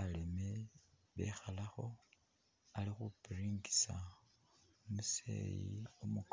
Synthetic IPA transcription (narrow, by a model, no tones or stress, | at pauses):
aleme | βḛxalaxo̞ | alixupiɾiːŋɡi̥sa | musḛjiomuk